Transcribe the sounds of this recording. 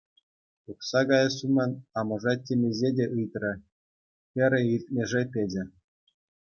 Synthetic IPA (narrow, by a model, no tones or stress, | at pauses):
uksɑɡɑjɤ̆sumʲɤ̆nʲɑmɤ̆ʐɑtʲːemʲezʲedʲeʔɯjt̪rɤ̆ | kʲɘ̆ɾʲɘ̆ilʲt̪̚ʲmʲeʐepʲed͡ʑʲɘ̆